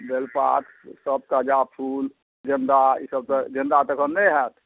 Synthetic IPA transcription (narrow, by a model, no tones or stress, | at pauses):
b̪elpa̰t̪ | səb̚t̪əd͡ʒapʰul | d͡ʒənd̪aḭsəb̚t̪əd͡ʒənd̪at̪əkʰənːɛɦɛt̪ʰ